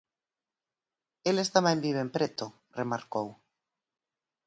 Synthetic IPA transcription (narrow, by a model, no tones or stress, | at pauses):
elest̪amembiβempɾet̪o | remaɾkow